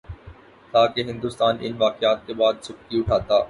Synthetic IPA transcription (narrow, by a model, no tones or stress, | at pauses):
t̪aːkeɦɪ̃nd̪uːst̪aːnɪ̰nʋaːqɪaːt̪̚kebaːd̪sʊkkiʊʈʰaːt̪aː